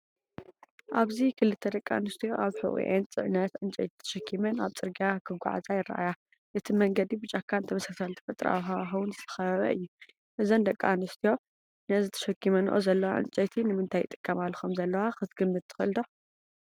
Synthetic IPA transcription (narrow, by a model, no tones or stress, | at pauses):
ʔaβzikʰɨlɨt̪ʰːɐd̪ɐkʼːa̰nɨst̪ʰijo̞ʔaβħɨ̰ʔḭʔent͡sʼɨ̰ʕnɐt̪ʕɨnt͡ʃʼɐ̰jt̪ʰi̥t̪ʰːɐ̥ʃɐkʰːimɐnaβt͡sʼɨɾɡijakʰɨɡʷa̰ʕa̰zʼajɪrːa̰ʔa̰ja | ʔɨt̪ʰimɐŋɡɐd̪ibɨt͡ʃʼakʰːant̪ʰɐmɐsasalt̪ʰɨ̥fɐt̪ʼɾʔa̰waxuwʊnzɨt̪ʰɐ̥xɐβɐβɐ̰ɨjːu | ʔɨzond̪ɐkʼːanɨst̪ʰijo̞ | nɐzɨt̪ʰɐ̥ʃɐkʰːimɐnʔo̰zɐlːɐwaʕɨ̰nt͡ʃʼɐjt̪ʰinɨmɨnt̪ʰajt̪ʼɨ̥kʼːɐmalːxomzɐlːɐwaxɨt̪ɡɨmːɨt̪̚t̪ːʰɨ̥xɨlɨd̪o